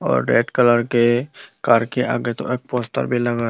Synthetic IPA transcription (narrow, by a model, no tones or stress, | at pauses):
ɔ̰ːɾːḛːɖkələɾkekaɾkeʔa̰ɡet̪o̰eːk̚pɔst̪ə̰ɾbʱilaɡa